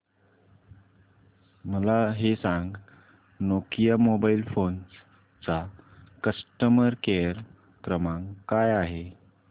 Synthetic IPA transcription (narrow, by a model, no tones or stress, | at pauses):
məlaɦesãŋɡ | nokijəmobailfons | t͡sakəsʈəməɾkeəɾ | kɾəmãŋkajaɦe